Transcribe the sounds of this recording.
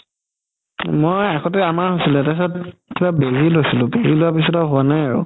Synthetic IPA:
mojaxʰɔtɛamaɹɦosilɛtasɔtkibabezilojsilʊ̃bezilowapisɔtɔɦʊanajaɹʊ̰

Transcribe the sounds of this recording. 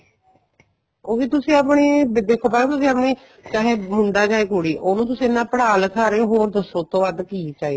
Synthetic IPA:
oːʋiːt̪ʊsĩːapɳiːd̪eːkʰːoːpat̪ʊsĩːapɳiː | t͡ʃaːɦeːmʊ̃ɳd̪aːd͡ʒaːeːkoɽiːʔoːnũːt̪̬ʊsĩːɪnːãːpəɽaːlkʰaːɾeɦoːɾd̪əsõːt̪õːʋad̪kiːt͡ʃaːi

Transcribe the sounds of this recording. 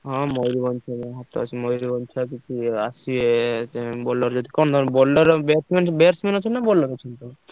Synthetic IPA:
ɦɔ̃mojɾibɔnt͡ʃʰanaɦat̪ːo̰o̰t͡ɕʰemojɾibɔnt͡ʃʰak̬it͡ʃʰuaʃieebɔlːaɾd͡ʒod̪ʱikɔnod̪ʱɔɾbɔlɖaɾbeɾsmenbeaɾsmenot͡ɕʰenːabɔlːaɾot͡ɕʰent̪o

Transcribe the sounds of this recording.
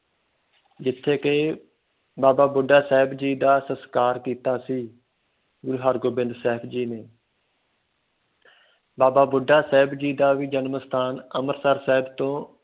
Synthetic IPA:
d͡ʒɪt̪ʰːeːkeː | baːbaːbʊɖaːsɛːɦɪbd͡ʒiːd̪aːsəskaːɾkiːt̪aːsiː | ɡʊɾuːɦaːɾɡoːbɪ̃nd̪sɛːpʰd͡ʒiːneː | baːbaːbʊɖaːsɛːbd͡ʒiːd̪aːʋiːd͡ʒənməst̪ʰaːnəməɾsəɾsɛːɦɪbt̪õː

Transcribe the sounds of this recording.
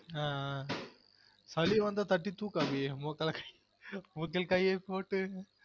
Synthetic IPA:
aː | sɐliʋɐnd̪at̪ɐʈːit̪uːkabiemɔkːɐlkɐj | mʊkːɐlkɐjepoːʈːɯ

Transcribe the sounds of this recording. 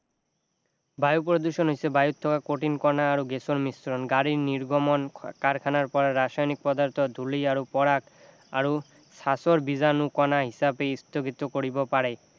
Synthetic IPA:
bajupɾod̪uʃonɦojsebajut̪ʰːɔkakoʈinkɔnaaɾoɡesoɾmisɾonɡaɾiɾniɾɡomonkaɾkʰanaɾpɔɾaɾaʃajnik̚pɔd̪aɾt̪ʰod̪ʱuliaɾopɔɾak | a̰ɾo | ʃasoɾbid͡ʑanukɔnaɦisabeist̪oɡit̪okoɾibopaɾe

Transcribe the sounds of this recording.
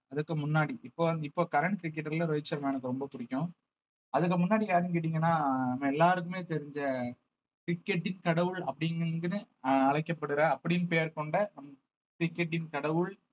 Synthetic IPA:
ɐðɯkːɯmʊnːaːɽiʔɪpːoːʋɐnd̪ɪpːoːkɐɾɐɳʈ̚kɾɪk̬ːɛʈːɐɾɪlɐɾɔɪt͡ʃːɐɾɐmːɛnɯkːɯɾɔmbɐkʊɽɪkʲːʊ̃ | ɐðɯk̬ːɯmʊnːaːɽijaːɾnkɪʈ̬ːiːŋɡɐnːaːnɐmːɐɛlːaːɾɯk̬ːɯmeːt̪ɛɾɪɲd͡ʒɐ | kɾɪkːɛʈːɪnkɐɽɐʋɯɭɐ̰pːɐɽɪnɡɯnɯ | ɐɻɐkːɐpːɐɽɯɾɐ̃ɐpːɐɽɪjnpeːɾkɔɳɖɐnɐmɐ | kɾɪkːɛʈ̬ːɪnkɐɽɐʋɯɭ

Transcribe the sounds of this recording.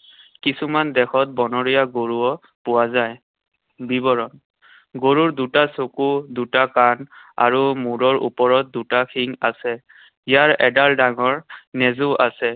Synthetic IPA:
kisumandɛxʰɔt̚bɔnɔɹijaɡoɹuɔ | pʊwazaj | bibɔɹɔn | ɡoɹuɹdutasokudutakana̰ɹumuɹɔɹʔṵpɔɹɔt̚dutakʰiŋasɛ | ijaɹɛdaldaŋɔɹnɛzuʔasɛ

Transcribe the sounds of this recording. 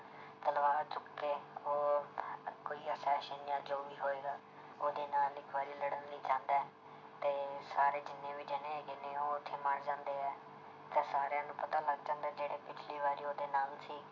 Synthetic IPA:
t̪əlʋaːt͡ʃʊkːeːoː | koːiːəsɛːʃənɪjãːd͡ʒoːʋiːɦoːeːɡaː | oːd̪eːnaːlɪkʰʋaːɾiːləɽənːĩːt͡ʃãːnd̪aɛ | t̪eːsaːɾeːd͡ʒɪnːẽːʋɪd͡ʒenẽːkɪnẽːoːɪt̪ʰːeːməɳd͡ʒãːnd̪eːɛː | t̪eːsaːɾejãːnũːpət̪aːləɡd͡ʒãːnd̪ɛːd͡ʒeːɽeːpɪt͡ʃʰliːʋaːɾiːoːd̪eːnaːlsiː

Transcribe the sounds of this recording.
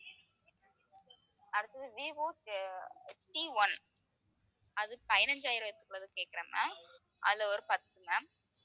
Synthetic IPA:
ɐɾɐt̪ɐðɯʋiʋoːt͡ʃ | ʈiʋɐn | ɐðɯpɐjɪnɐɲd͡ʒaːjɪɾɐɛt̪ːɯ̥kːɯɭɐðɯkeːkːɪɾɐ̰ːma̰ | ʔɐ̰ðlɐɔɾɯpɐt̪ːɯmɐ

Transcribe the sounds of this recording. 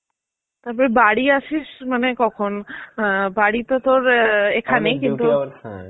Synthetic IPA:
t̪aɾpɔɾebaɽiaʃiʃmanekɔkʰon | baɽit̪ot̪oɾekʰanejkint̪u

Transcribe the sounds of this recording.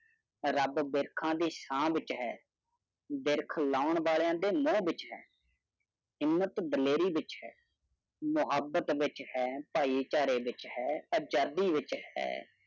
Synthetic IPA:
ɾəbbɪɾkʰãːd̪iːsãːʋɪt͡ʃɦɛː | bɪɾkʰlaːʊɳʋaːljãːd̪eːmõːbɪt͡ʃɦɛ̰ː | ɦɪmːət̪d̪əleːɾiːʋɪt͡ʃɦɛː | mʊɦəbət̪ʋɪt͡ʃhɛːpaːiːt͡ʃaːɾeːʋɪt͡ʃhɛːəd͡ʒaːd̪iːʋɪt͡ʃhɛ̰ː

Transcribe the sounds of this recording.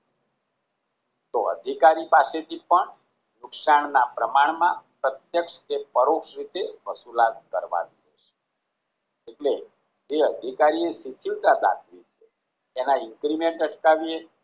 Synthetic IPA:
t̪oə̰d̪ʱikaɾipaset̪ʰipəɳ | nʊksaɳnapɾəmaɳmãpɾət̪jəkʃkepəɾokʃɾit̪eʋəsulat̪̚kəɾʋa̰niɦɛ̰ʃe̥ | eʈle | d͡ʒeəd̪ʱikaɾiesit̪ʰild̪ad̪a̰kʰlit͡ʃʰeː | naɪŋkɾimeɳʈəʈkaʋie

